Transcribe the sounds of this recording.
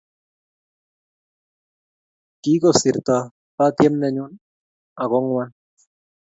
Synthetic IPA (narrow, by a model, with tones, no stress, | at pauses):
ki˦kɔ˨si˨ɾt̪a˨ | pa˦t̪jɛ˦mnɛ˦ɲu˦n | a˨kɔ˦ŋwa˦n